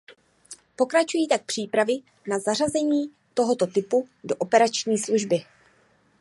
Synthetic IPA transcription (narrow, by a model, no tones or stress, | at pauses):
po̞kɾat͡ʃujiːt̪ak̚pr̝̥iːpɾavɪ | nazarazɛɲiː | t̪o̞ɦo̞t̪o̞t̪ɪpudo̞ʔo̞pɛɾat͡ʃɲiːsluʒbɪ